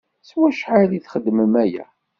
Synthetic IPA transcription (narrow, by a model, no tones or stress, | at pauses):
swæʃħaðiθχəd̪ːməmæjæ̰